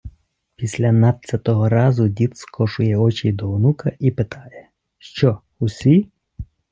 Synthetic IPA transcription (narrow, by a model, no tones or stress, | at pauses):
pʲisʲlʲɐnɑp̪t͡sʲɐt̪ɔɦɔɾɑzʊdʲit̪skʰɔʃʊjɛɔt͡ʃʲijd̪ɔwnukɐʔipɪt̪ʰɑjɛ | ʃt͡ʃɔ | usʲi